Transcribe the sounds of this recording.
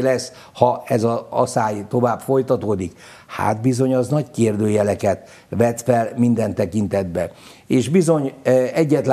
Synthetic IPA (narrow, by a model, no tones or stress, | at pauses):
lɛsː | hɒɛzɒɒ̰saːjt̪o̞vaːbfo̞jt̪ɒt̪oːd̪ik | ha̰ːt̪bizo̞ɲɒznɒckeːrd̪øːjɛlɛkɛt̪ | ʋɛt̪fɛlmind̪ɛnt̪ɛkint̪ɛd̪bɛ | eːʃbizo̞ɲɛɟːɛt̪l